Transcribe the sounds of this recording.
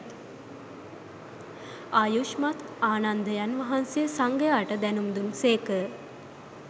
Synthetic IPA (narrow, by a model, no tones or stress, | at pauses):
ajuʃmat̪ʰaːnand̪əjanʋɐɦanseəsaŋɡəjaːʈəd̪ɛnumd̪umseːkə